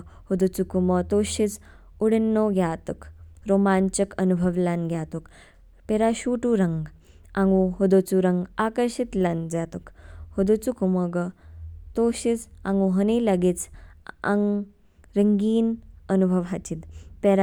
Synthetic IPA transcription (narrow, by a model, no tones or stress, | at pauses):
hod̪ot͡sukumət̪oɕid͡z | uɽenːoɡʱjaːt̪ukɾomant͡ʃəkənubʱəʋlanɡʱjaːt̪uk | peɾaɕuːʈuɾɐŋɡ | ãŋɡuɦod̪ot͡suɾɐŋɡakəɾɕit̪land͡zat̪ukhod̪ot͡sukuməɡət̪oɕid͡za̰ŋɡuɦənilɐɡit͡sa̰ŋ | ɾəŋɡiːnənubʱəʋɦat͡ɕid̪peɾa